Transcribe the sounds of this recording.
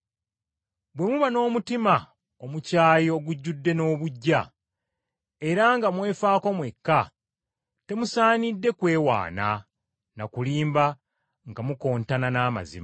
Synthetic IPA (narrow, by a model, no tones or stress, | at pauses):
bwe̞muβano̞ːmutima | o̞mucaːjoɡuɟːudːe̞no̞ːβuɟːa | e̞ɾaŋɡamwe̞ːfaːko̞mwe̞kːa | te̞musaːnidːe̞kwe̞ːwa̰ːna̰ | nakuliːmba | ŋɡamuko̞ːntananaːma̰zḭma